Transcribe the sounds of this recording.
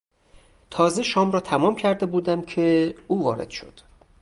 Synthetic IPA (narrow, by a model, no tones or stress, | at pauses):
t̪ʰɒːzeʃɒːmɾɒːt̪ʰæmɒːmcʰæɾd̪e̞buːd̪æmcʰe̞uːvɒːɾḛd̪̥ʃo̞̰d̪̥